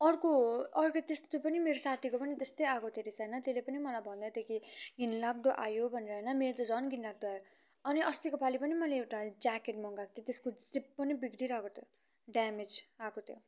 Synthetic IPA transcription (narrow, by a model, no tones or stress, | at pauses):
ʌrkoʌrket̪est̪opʌnimeɾosat̪ʰikopʌnit̪est̪ʌjakot̪ʰeɾisʌjnʌt̪elepʌnimʌlajbʱʌnd̪ʌd̪ekʰiɡinlak̚d̪oʔa̰jobʱʌneɾʌɦenʌmeɾot̪ʌd͡zʌnɡinlak̚d̪ojo | ʌniʔʌst̪ikopʰalipʌnimʌleewʈad͡zakeʈmʌŋɡakt̪ʰjot̪eskod͡zip̚ːʌnibiɡɽiɾʌkot̪ʰjo | ɖamed͡zakot̪ʰjo̰